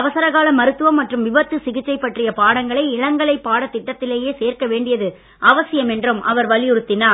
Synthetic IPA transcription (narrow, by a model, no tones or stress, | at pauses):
ʋɐsɐɾɐɣaːlɐmːɐɾɯt̪ːɯʋɐmːɐʈrɯmʋɪʋɐt̪ːɯsɪɣɪʈːt͡ʃɐɪpːɐʈrɪjɐpaːɽɐŋɡɐɭɐɪɪɭɐŋɡɐɭɐɪpːaːɽɐt̪ːɪʈːɐt̪ːɪleːjeːseːrkɐʋeːɳɖɪjɐðɯ | ʔɐʋɐsɪjɐmɛndrɯmʔɐ̰ʋɐɾʋɐɭɪjɯɾɯt̪ːɪnaː